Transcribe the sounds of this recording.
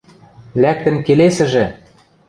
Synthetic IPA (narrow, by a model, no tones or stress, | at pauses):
læk̚t̪ə̆mkelesɘ̆ʒĕ